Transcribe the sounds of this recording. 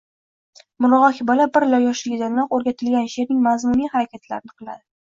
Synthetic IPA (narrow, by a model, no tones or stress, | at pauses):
mʊlˠɒʁɒkʲɪbɒlabɪɾlaɾjɒʃlɪɡʲɪd̪annɒqoɾɡʲat̪ʰɪlɡʲanʃe̞ɾnɪŋmazmunijhaɾakʲat̪la̰ɾɪnɪqʰɨlˠa̰d̪ɪ